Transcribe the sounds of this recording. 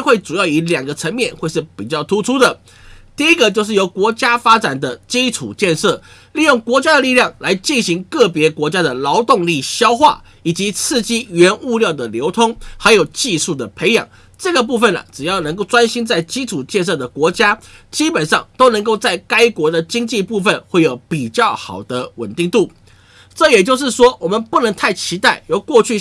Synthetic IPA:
xwe˥˩ɪʈ͡ʂu˨˩jɑ˥˩ʊi˧˥ljɑ˨˩ŋɡə˦t͡sʰə˧˥nmjɛ˥˨nxwe˥˧ɪʂɻ̩˥˩pi˨˩t͡ɕjɑ˥˩ʊt̪ʰu˥ʈ͡ʂʰu˥d̪ə˨ | t̪i˥˩i˥ɡə˨t͡ɕjo˥˧ʂ̬ɻ̩˥˩jo˧˥ʊkwɔ˧˥t͡ɕja˥fa˥t͡sa˨˩nd̪ə˦t͡ɕi˥ʈ͡ʂʰṵ˨˩t͡ɕjɛ˥˧nʂɤ˥˩ | li˥˧jʊ˥˩ŋkwɔ˧˥t͡ɕja˥d̪ə˨li˥˧ljɑ˥˩ŋla˧˥ɪt͡ɕi˥˩nɕi˧˥ŋkɤ˥˩pjɛ˧˥kwɔ˧˥t͡ɕja˥d̪ə˨˩lɑ˧˥ʊt̪ʊ˥˧ŋli˥˩ɕjɑ˥ʊxwa̰˥˩ | i˨˩t͡ɕi˧˦t͡sʰɹ̩˥˧t͡ɕi˥ɥɛ˧˥nu˥˧ljɑ˥˩ʊd̪ə˨ljo˧˥ʊt̪ʰʊ˥ŋxa˧˥ɪjo˨˩ʊt͡ɕi˥˧ʂu˥˩d̪ə˩pʰe˧˥ɪjɑ̰˨˩˦ŋ | ʈ͡ʂɤ˥˩ɡə˩p̬u˥˧fə˥˩nə̰˨˩ʈ͡ʂɻ̩˨˩jɑ˥˩ʊnə˧˥ŋko˥˩ʊʈ͡ʂwa˥nɕi˥nt͡sa˥˩ɪt͡ɕi˥ʈ͡ʂʰu˨˩t͡ɕjɛ˥˧nʂ̬ɤ˥˩d̪ə˩kwɔ˧˥t͡ɕja˥t͡ɕi˥pə˨˩nʂɑ˥˩ŋt̪o˥ʊnə˧˥ŋko˥˧ʊt͡sa˥˩ɪka˥ɪkwɔ˧˥d̪ə˨t͡ɕi˥ŋt͡ɕi˥˧pu˥˧fə˥˨nxwe˥˩ɪjo˨˩˦ʊpi˨˩t͡ɕjɑ˥˩ʊxɑ˨˩ʊd̪ə˦wə̰˨˩nt̪i˥˧ŋt̪u˥˩ | ʈ͡ʂɤ˥˨jɛ˨˩t͡ɕjo˥˧ʊʂ̬ɻ̩˥˩ʂwɔ˥wɔ˨˩mə˨npu˥˩nə˧˥ŋt̪ʰa˥˩ɪt͡ɕʰi˧˥t̪a˥˩ɪjo˨˥ʊkwɔ˥˧t͡ɕʰy˥˩

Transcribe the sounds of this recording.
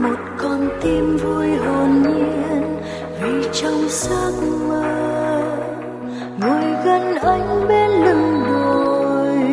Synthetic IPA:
mo˨˩t̚kɔ˨˩nt̪i˧mvu˧jɦɔ˨˩nʔii˧˨ən | vi˨˩t͡ɕɔ˧wŋ͡msaː˦k̚wa˧ | ŋɨə˨˩jɣə˧nʔa˧jŋ̟ɓe˧nlɨ˧˩ŋzo˨˧˩j

